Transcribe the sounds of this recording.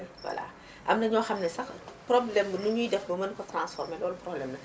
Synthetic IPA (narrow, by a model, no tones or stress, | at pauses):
lwɐ̰la̰ | ʔɐmnɐɲɔːxɐmnɛsɐxprɔblɛmbənuɲuːdɛfbɐmɐnkɔtrãːnsfɔrmɛlɔːluprɔblɛmnɐ